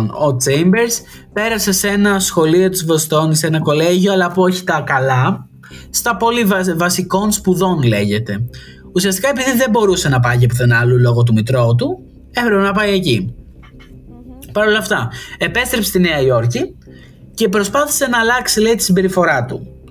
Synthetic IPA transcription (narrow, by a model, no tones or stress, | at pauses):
no̞t͡sejmbe̞ɾs | pe̞ɾɐse̞se̞nɐsxo̞lio̞t̪izvost̪o̞nise̞nɐko̞le̞ʝoɐlɐpuo̞çi̥t̪ɐkɐlɐ | st̪ɐpo̞livvɐsiko̞nspuðo̞nle̞ʝe̞t̪e̞ | usiɐstikɐepiðiðe̞bo̞ɾuse̞nɐpɐʝiepoθenɐlulo̞ɣo̞t̪̬umit̪ɾo̞t̪̬u | efɾepenɐpɐje̞ci | pɐɾo̞lɐft̪ɐe̞pe̞st̪ɾepst̪ineɐjo̞ɾci | ce̞pɾo̞spɐθi̥se̞nɐːlɐksileit̪i̥simbe̞ɾifo̞ɾɐt̪u